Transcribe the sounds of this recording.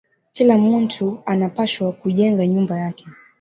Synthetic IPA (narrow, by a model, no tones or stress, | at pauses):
kilamun̩tʰuanapaʃwakuʄɛŋɡaɲumbajakɛ